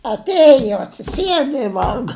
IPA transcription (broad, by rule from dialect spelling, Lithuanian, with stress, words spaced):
ɐtʲˈeːjoː ɐtʲsʲɪˈsʲiɛdɐ ɪ ˈʋɐlˠɡɐ